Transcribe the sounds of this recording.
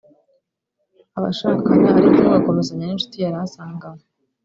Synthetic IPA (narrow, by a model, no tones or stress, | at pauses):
aβa̰ʃakanaaɾikoβakomezaɲanenʃu̥tijaɾaasaːŋɡame